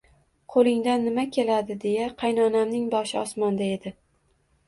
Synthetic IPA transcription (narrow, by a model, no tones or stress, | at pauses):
qʰolˠɪŋd̪anːɪmakʲʰe̞lad̪ɪd̪e̞jaqʰɑjnɒnamnɪŋbɒʃɪɒsmɒnd̪ae̞d̪ɪ